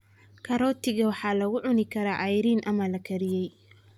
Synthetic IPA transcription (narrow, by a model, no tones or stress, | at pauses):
kʰɐɾɔːt̪ɪɣɐwɑħɑːlɐɣʊʕʊnɪkʰɐɾaːʔɐjɾiːnʔɐmɐlɐkʰɐɾɪjɛj